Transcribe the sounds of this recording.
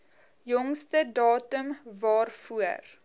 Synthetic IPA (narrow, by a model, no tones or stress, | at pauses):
jɔŋstədɑːtəmvɑːrfuər